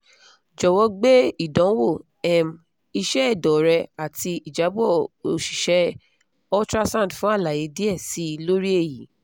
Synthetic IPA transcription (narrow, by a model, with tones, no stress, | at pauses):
d͡ʒɔ˨wɔ˧ɡ͡be˦i˦˨dɔ̃˨˦wo˦˨ | ɛ˨m˨ | i˧ʃɛ˦ɛ˦˨dɔ˨ɾɛ˧a˨ti˧i˨d͡ʒa˨˦bɔ˦˨o˨ʃi̥˨ʃɛ˨˦ | ɔ˦tɾa˦sã˦˨tfũ˦a˦˨la˨je˨˦di˦ɛ˦˨si˨˦˧lo˦ɾi˦e˦˨ji˨˦